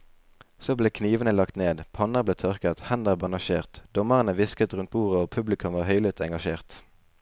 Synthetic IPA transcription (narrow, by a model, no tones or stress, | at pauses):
soːbleːkʰniːʋənəlɑkt̪neːd̪pʰɑnəʁbleːt̪ʰœʁkət̪hænd̪əʁbɑnɑʃeːʁt̪d̪̥ɔməʁənəʋɪskət̪ʁʉnt̪̚buːʁəoːpʰʉblɪkʰʉmʋɑːʁhœʏlɪt̪ɛŋɡɑʃeːʁt̪